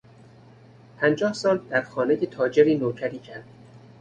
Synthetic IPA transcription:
pʰænd͡ʒɒːhsɒːnt̪̚d̪æɾxɒːnejet̪ʰɒːd͡ʒeɾiːnoːcʰæɾiːcʰæɾd̪̥

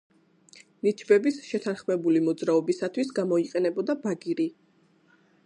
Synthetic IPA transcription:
nit͡ʃʰbɛbisʃɛt̪ʰanχmɛbulimɔd̪zɾaɔbisat̪ʰwisɡamɔiqʼɛnɛbɔd̪abaɡiɾi

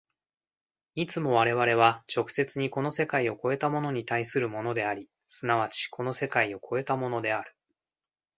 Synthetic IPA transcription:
it͡sɨmo̞β̞aɾe̞βaɾe̞β̞at͡ɕo̞kɯ̟̥se̞t͡sɨɲ̟iko̞no̞se̞kaio̞ko̞e̞t̪amo̞no̞ɲ̟it̪aisɨɾɯ̟mo̞no̞d̪e̞aɾʲi | sɨnaβat͡ɕi̥kʰo̞no̞se̞kaio̞kʰo̞e̞t̪amo̞no̞d̪e̞aɾɯ̟̥

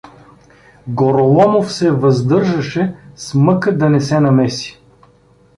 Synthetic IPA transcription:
ɡoɾolˠɔmofsɛvɐzd̪ɤɾʒɐʃɛsmɤkəd̪ɐnɛsɛnɐmɛsi̥

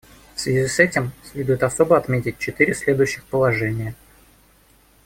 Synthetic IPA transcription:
fsvʲɪzʲisɛtʲɪmsʲlʲed̪ʊjɪt̪ɐso̞bəɐt̪mʲetʲɪt̚ʲt͡ɕɪt̪ɨɾʲɪsʲlʲe̞d̪ʊjʉɕːɪxpəlˠɐʐɛnʲɪjə

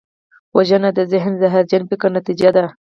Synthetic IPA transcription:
waʒənad̪əzɪɦnzaɦaɾd͡ʒanpɪkaɾnat̪id͡ʒad̪a

